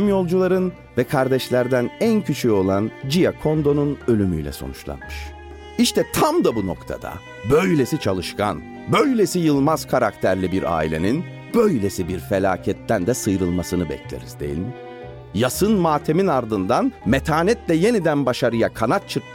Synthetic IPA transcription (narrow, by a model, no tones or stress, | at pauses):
mjo̞lˠd͡ʒulˠaɾɯn | vɛkʰaɾd̪ɛʃlʲæɾd̪ænæncʰyt͡ʃʰyo̞lˠand͡ʒijakʰo̞nd̪o̞nunø̞lʲymyjlʲɛ̰so̞̰nut͡ʃlˠa̰nmɯʃ | iʃt̪ʰɛt̪ʰamd̪abuno̞kt̪ʰa̰d̪̥a̰ | bø̞jlʲe̞sit͡ʃʰalˠɯʃkʰa̰n | bø̞jlʲesijɯlˠmaz̥kʰaɾakt̪ʰæɾlʲibiɾa̰ːilʲenin | b̥ø̞jlʲe̞sibiɾfelʲaːcʰɛt̪ʰːænd̪ɛsɯjɾɯlˠmasɯnɯbɛ̰clʲḛɾiz̥d̪e̞̰jḭlʲim | jasɯnmaːt̪ʰe̞minaɾd̪ɯnd̪anmet̪ʰaːnɛt̪lʲɛje̞nid̪ænbaʃaɾɯjakʰanat̪̚t͡ʃʰɯɾ